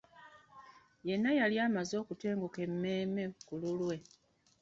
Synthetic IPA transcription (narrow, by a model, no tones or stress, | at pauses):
je̞nːajaliaːmazo̞ːkute̞ːŋɡoke̞mːe̞ːme̞kululwe̞